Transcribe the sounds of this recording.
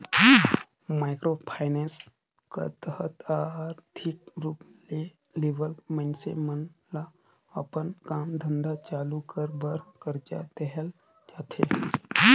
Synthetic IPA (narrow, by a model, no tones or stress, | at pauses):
majkɾopʰajnẽns | kə̰t̪əɦət̪aɾt̪ʰikɾuːple | leʋəlmənsḛmənla | əpənkamd̪ʱənd̪at͡ʃalukəɾbəɾkəɾt͡ʃa̰t̪ɛɦəl | d͡ʒ̪at̪ʰḛ